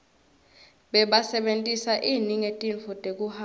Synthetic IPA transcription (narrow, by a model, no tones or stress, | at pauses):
ɓɛɓasɛɓentʼisaʔiniŋetʼinfɔtʼek̬ʼuha